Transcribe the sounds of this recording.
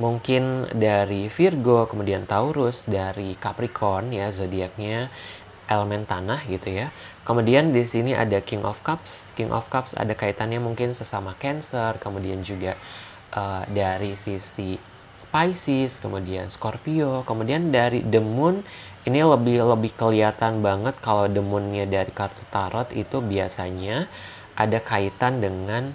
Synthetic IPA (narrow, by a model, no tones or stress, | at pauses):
muŋkɪndaɾifirɡokəmudiant̪auɾʊsdaɾikapɾikʰɔnjazodiak̚ɲa | ʔeləmɛnt̪anahɡit̪uja | kəmudiandisiniʔa̰dakiŋʔɔ̰fkapskɪŋʔɔ̰fkapsa̰dakait̪anɲamuŋkɪnsəsamakɛnsərkəmudiand͡ʒuɡa | ʔədaɾisisi | pajsɪskəmudia̰nskorpiokəmudiandaɾidəmʊn | iniləbɪhləbɪhkəliat̪anbaŋət̪̚kalawdəmʊnɲadaɾikart̪ot̪aɾʔɔt̪ḭt̪ubiasaɲa | ʔa̰dakait̪andəŋan